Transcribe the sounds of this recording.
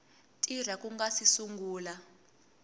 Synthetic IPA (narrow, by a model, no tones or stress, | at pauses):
tʼir̤akuŋɡasisuŋɡuːla